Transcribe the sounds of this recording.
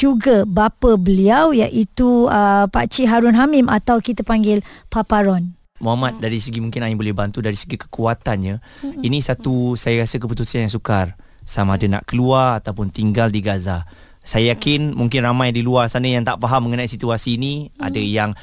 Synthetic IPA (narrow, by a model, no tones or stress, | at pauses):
d͡ʒuɡabapəbəliawjaʔit̪uəpa̰t͡ʃiɦaɾʊnɦamimʔat̪awkit̪əpaŋɡɪlpapaɾɔn | muɦamat̪̚daɾisəɡimũŋkɪnaibolɛhbant̪udaɾisəɡikə̥kuat̪anɲainĩsat̪usajakasəkəput̪usianjaŋsukar | samadəna̰ʔkəluarat̪awpʊnt̪iŋɡaldiɡaza | sajajakɪnmuŋk̬ɪnramajdiluarsanajaŋt̪aʔfaɦamːəŋənaisit̪uasiːnia̰dəjaŋ